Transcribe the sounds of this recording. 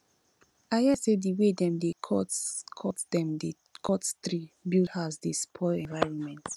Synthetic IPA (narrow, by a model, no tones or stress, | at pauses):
ajasediwedɛ̃mdeɔkʰɔtdɛ̃mde | kʰɔtstɹibildhasdespʰɔɛ̃nvaɪɹɔ̃nmɛ̃nt